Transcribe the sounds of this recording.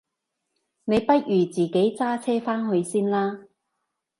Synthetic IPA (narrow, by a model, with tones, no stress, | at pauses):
ne˨˧jpɐ˥t̚jyː˨˩t͡siː˨˩ke˨˥jt͡saː˥t͡sʰɛː˥faː˥nɦɵ˨˧ɥsiː˥nlaː˥